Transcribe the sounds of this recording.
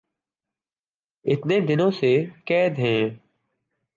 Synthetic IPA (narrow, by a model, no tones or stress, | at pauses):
ɪt̪ned̪ɪnõsekɛːd̪ɦɛ̃ː